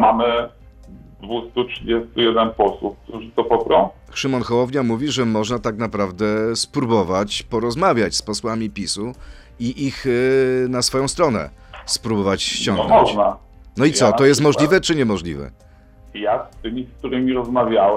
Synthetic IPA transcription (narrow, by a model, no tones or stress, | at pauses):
mamɘ | d̪vust̪utʂɨd͡ʑest̪ujɛd̪ɛnpɔswufk̚t̪uʐɘt̪ɔpɔkɾɔ̃w̃ | xʂɘmɔnxɔwɔvɲamuvʲiʐɛmɔʐnat̪aknapɾavd̪ɛspɾubɔvat͡ɕpɔɾɔzmavʲjat͡ɕspɔswamʲipʲisu | iʔixnasfɔjɔ̃w̃st̪ɾɔnɛ̰spɾubɔvat͡ɕɕt͡ɕɔ̃ŋɡɔmɔʐt͡ɕna | nɔit̪sɔɔjɛst̪mɔʐlʲivɛt͡ʂɘɲɛmɔʐlʲḭvɛ̰ | jast̪ɘmʲisk̚t̪uɾɘmʲiɾɔzmavʲjawɛ